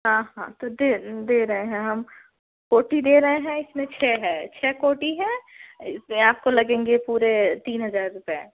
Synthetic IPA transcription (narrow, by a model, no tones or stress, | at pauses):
ɦãːɦã̰t̪od̪ed̪eːɾɐɦeɦɛ̃ɦɐm | koːʈid̪eːɾɐɦeɦɛ̃ɪsmẽt͡ʃʰɛːɦɛ̃ːt͡ʃʰɛːkoːʈiɦɛ̃ːsmeaːp̚kolɐɡẽːŋɡepuːɾet̪iːnɦɐzaːɾɾʊpɛe